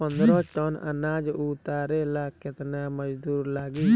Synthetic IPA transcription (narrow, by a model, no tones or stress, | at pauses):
pənd̪ɾɔ̃ːʈɔnə̰nãːd͡ʒuːt̪aːɾelaːkɪt̪naməd͡ʒd̪uːɾlaːɡiː